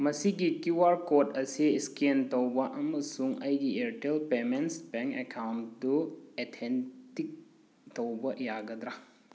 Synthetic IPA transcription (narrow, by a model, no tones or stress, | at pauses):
mɐsiɡikuwaɾkotʰɐsiskentɐwbɐʔɐmɐsuŋɐjɡieɾʈelpemensbeŋkekʰawnduetʰentik̚ | tɐwbɐjaɡɐd̪ɾa